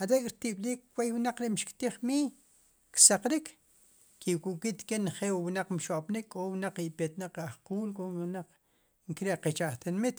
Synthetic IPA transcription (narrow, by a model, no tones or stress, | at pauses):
aɾekʼɾt̪iɓliːkwejwnaq͡χɾeʔmʃkt̪iχmiː | ksaqɾik | kiwkukit̪kenχewwunaq͡χmʃoʔpnikkʼownaq͡χipet̪naq͡χahquːlkʼownaq͡χ | ŋkɾeʔqet͡ʃaʔχt̪inmit̪